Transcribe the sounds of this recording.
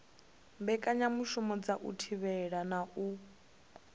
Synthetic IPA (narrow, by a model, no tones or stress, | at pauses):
mbɛkʼaɲamuʃumɔd͡zaʔṵtʰiβɛɺanaʔu